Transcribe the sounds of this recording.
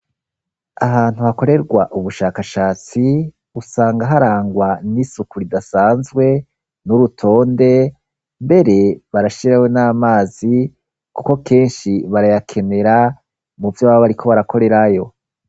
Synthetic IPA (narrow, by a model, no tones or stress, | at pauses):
ahaːn̥huhako̞ɾe̞ɾɡwaʔuβuʃaːkaʃaːt͡si | usaːŋɡaɦaɾaːŋɡwanisukuɾidasaːnzɡwe̞ | nuɾutʰo̞ːnde̞ | mbe̞ɾe̞βaɾaʃiɾawenaːmaːzi | kuko̞kʰe̞ːnʃiβaɾajakʰe̞ne̞ɾa | muvjoβaβoβaɾikʰo̞βaɾakʰo̞ɾe̞ɾajo̞